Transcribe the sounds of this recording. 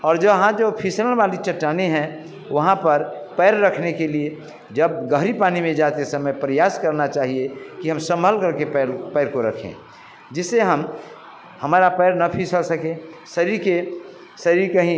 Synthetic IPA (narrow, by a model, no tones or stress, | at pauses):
ɔːɾd͡ʒoɦãd͡ʒopʰisəɾəñbalit͡ʃəʈːaneɦɛ̃ | ʋəɦãpəɾpɛɪɾːəkʰnekelie | d͡ʒəb̚ɡəɦɾipanimẽd͡ʒat̪esəməjpɾəjaskəɾnat͡ʃaːɦiekiɦəmsə̃mbʱəlkəɾkeppɛːɾkoɾəkʰḛ̃ | d͡ʒɪsːeɦəm | həmaɾapɛɪɾnəpʰisəlsəkẽ | səɾiɾke | səɾiɾkəɦĩ